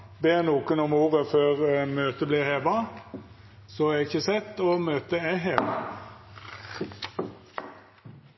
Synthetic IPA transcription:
beːʁnuːkənʊmuːʁəføːʁmøːt̪əbliːʁheːʋɑ | sɔɛɪçəsɛt̪ːoːmøːt̪əæɦeːʋɑ̰

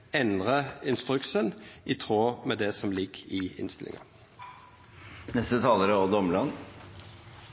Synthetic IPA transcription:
ɛnʁəɪnst̪ɾʉksənʔɪt̪ʰʁoːmɛd̪ɛsɔmlɪɡɪɪ̰nst̪ɪlɪ̰ŋɑ̰ | nɛst̪ət̪ʰɑːləɾəod̪ɔməlɑn

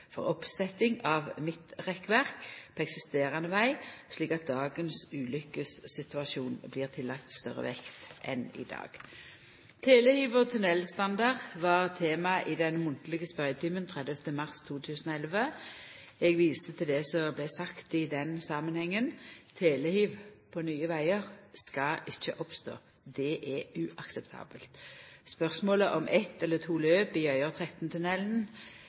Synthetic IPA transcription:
fɔ̰ʁɔpsɛt̪ɪŋɑʋmɪt̪ʁɛkːʋæʁkpʰoɛksɪst̪eːʁɑnəʋæɪʂliːkɑt̪̚d̪ɑːɡənsʉːlʏkəsːɪt̪ʉɑsuːnbliːʁt̪ʰɪlːɑkt̪st̪œ̰ʁə̰ʋɛkt̪ʔɛ̰nɪ̰d̪ɑ̰ːɡ̥ | t̪ʰeːlɛhyːʋəʁt̪ʰʉnɛlst̪ɑnd̪ɑʁʋɑʁt̪ʰeːmɑʔɪd̪ɛnmʊnt̪lɪɡəspɑɪt̪ʰʏːmənt̪ʰʁɛd̪ɛft̪əmɑʁst̪ʰuːt̪ʰʉːsənɔɛlʋə | ɛɡʋiːst̪ət̪ʰɪld̪ɛsɔblæsɑkt̪ɪd̪ɛnsɑːmənhɛŋːənt̪ʰeːləhyːʋpʰɔnyːəʋæɪəʁskɑʔɪçːə̰ʔɔpst̪o̰ː | d̪ɛʔɛʉʔɑksɛpt̪ʰɑ̰ːbəlt̪spœʁsmoːləʔɔmʔɛt̪ɛlːət̪ʰuːløːpɪœʏəʁt̪ʰʁɛt̪n̩t̪ʰʉnɛln̩

